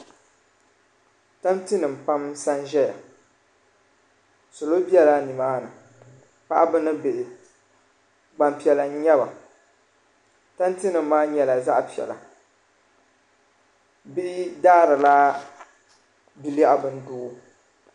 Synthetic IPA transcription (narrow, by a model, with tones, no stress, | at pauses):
ta˦mti˦nɨ˨m̩˨pa˦msa˦nʒɛ˦ja̰˨ | so˨lo˦bi˦ɛ˦la˦ni˨maː˦nɨ˨ | pa̰˦ʔa˦bɨ˦nɨ˦bɪ˨ʔɪ˨ | ɡ͡ba˨mpi˨ɛ˨la˨˦ɲɛ˦ba˨ | ta˦m˦ti˦nɨ˨mː˦aː˦ɲɛ˨la˨za˦ʔpi˨ɛ̰˨la̰˨ | bɪ˦ʔɪ˦daː˦ɾɨ˨la˦ | bi˦li˦ʔa˦bɨ˦n˦dʊː˦ʔ